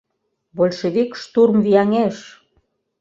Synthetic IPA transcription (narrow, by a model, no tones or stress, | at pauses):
bolʲʃeβikʃt̪urmvijɑŋeʃ